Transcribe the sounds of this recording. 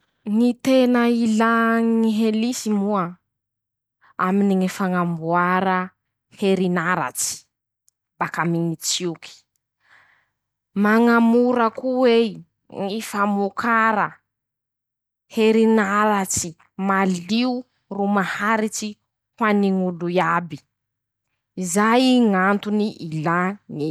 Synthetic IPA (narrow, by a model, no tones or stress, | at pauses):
ŋit̪enəilaŋiɦelisimua | a̰miniŋifaŋambuaɾə | heɾinaɾa̰t͡si̥ | bakamiŋit͡siukʰi̥ | maŋamuɾakuwe | ŋifamukʰaɾə | heɾinaɾat͡si | maliu | rumahaɾit͡si | hwaniŋuluiabi | izajiŋant̪uniʔilani